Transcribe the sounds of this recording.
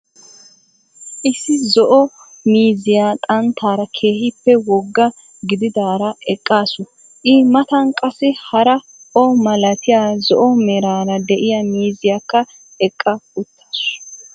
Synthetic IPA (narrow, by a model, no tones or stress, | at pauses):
ʔɪsːɪzɔʔɔ | miːzɪjaːt̪ʼɐnt̪ʰːaːɾɐkʰeːhɪpːɛwɔɡːɐ | ɡɪd̪ɪd̪aːɾɐɛkʼːaːsʊ | ʔɪmɐt̪ɐnkʼɐsɪhɐɾɐ | ʔɔmɐlɐt̪ɪjaːzɔʔɔmɛɾaːɾɐd̪ɛʔɪjɐmiːzɪjakːɐ | ɛkʼːɐʊt̪ʰːḁːs